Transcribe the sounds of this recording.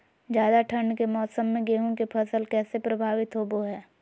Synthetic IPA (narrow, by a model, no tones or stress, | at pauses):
d͡ʒjaːd̪aʈʰəɳɖkemɔːsəmːẽɡeːɦõkepʰɐsəlkɛːsepɾɐbʱaːʋɪt̪ɦoboɦɛː